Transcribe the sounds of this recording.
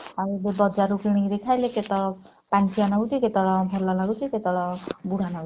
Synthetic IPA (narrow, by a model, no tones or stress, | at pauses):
aɾudebɔd͡ʒaɾukiɽ̃iɾekʰajleket̪ɔɭɔ | pant͡ʃijanɔɡut͡ʃʰiket̪ɔɭɔbʱɔɾlalaɡut͡ʃʰiket̪ɔɭɔbuɽ̤ʱanɔɡu